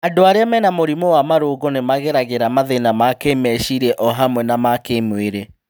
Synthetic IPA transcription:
adoaɾeamɛnamoɾimɔwamaɾoːɡonemaɣeɾaɣeɾamaðenamakemɛʃiɾɛʔɔɦamwɛnamakemweɾe

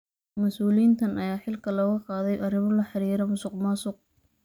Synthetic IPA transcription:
mɐsuːliːnt̪ʰɐnɐjaːħɪlkʰɐlɔɣɐqɑːðɛjʔɐrɪmɔlɐħɑɾiːɾɐmʊsʊqmɑsʊq̚

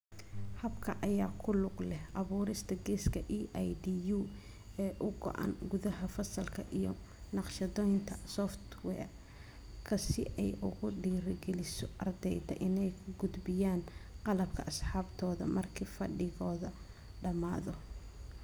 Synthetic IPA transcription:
hɐbkʰɐʔɐjaːkʰʊlʊqlɛʔɐβuːɾɪst̪ʰɐɡɛːskʰɐʔiːʔajdiːjuː | ɛːʔʊɡɔ̰ʔa̰nɡʊðɐɦɐfɐsɐlkʰɐʔijɔ | nɑqʃɐðɔːjnt̪ʰɐsɔft̪wɛːr | kʰɐsɪ̰ʔɛjʔʊɣʊɖiːɾɐɡɛlɪsɔʔɐrd̪ɛjt̪ʰɛ̰ʔɪnɛjkʰʊɡʊd̪bɪjaːnqɑlɐb̚kʰɐʔɐsħɑːbt̪ʰɔːðɐ̰mɐrkʰiːfɐɖɪɣɔːðɐ | ɖɐma̰ːðɔ

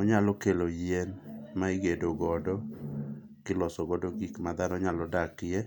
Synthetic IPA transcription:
ɔɲalɔkelojenmaiɡedoɡɔdɔ | kɪlɔsɔɡɔdoɡikmad̪anɔɲalɔdakje

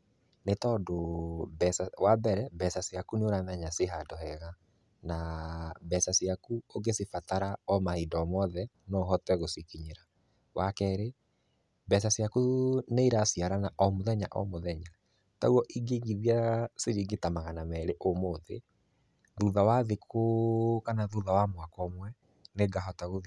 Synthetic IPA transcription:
netɔdobɛsawabɛɾɛbɛsasjakuneoɾanɛɲaseɦadɔhɛɣa | nabɛsasiakuoɡesifataɾaɔmahidɔmɔðɛ | nɔɦɔtwɛɣosikiɲeɾa | wakɛɾe | bɛsasjakuneiɾasiaɾanaʔɔmoðɛɲa̰ʔɔ̰moðɛɲa | tauɔʔiɡeɡiðjaseɾiːɡetamaɣanamɛɾeʔomoðḛ | ðuðawaðekʰokanaðuðawamwakɔmwɛ | neɡaɦɔtaɣoð

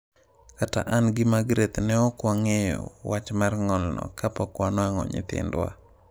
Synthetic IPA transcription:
kata̰ʔanɡɪmaɡɾet̪nɛɔkwaŋejɔ̰wat͡ʃmarŋɔlnɔ̰kapɔkwanɔaŋɔ̰ɲɪ̰t̪ɪ̰ndwa̰

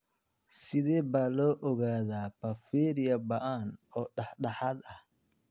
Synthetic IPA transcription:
sɪðɛːbaːlɔːʔɔɣaːðaːbɐfɛːɾiɐbɐʔaːnɔːɗɐħɗɐħaːd̪ɐ

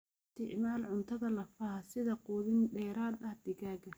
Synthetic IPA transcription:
st̪ʰɪʕmaːlʕʊnt̪ʰɐðɐlɐfahɐsɪðɐquːðɪnɖɛːɾaːd̪ɐhd̪ɪɣaːɣɐ

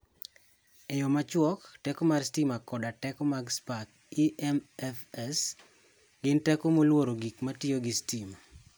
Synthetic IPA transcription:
ɛjɔmat͡ʃwɔktɛkɔmarstimakɔdatɛkɔmaɡspak | iɛmɛfɛs | ɡɪntɛkomolwoɾoɡikmatɪoɡɪstima

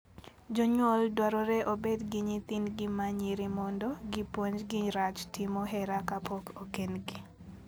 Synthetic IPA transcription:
d͡ʒoɲwoldwaɾɔɾɛʔobedɡiɲit̪inɡɪmaɲiɾimɔndɔɡipwoɲd͡ʒɡɪɾat͡ʃtɪmoɦɛɾakapokʰokenɡi

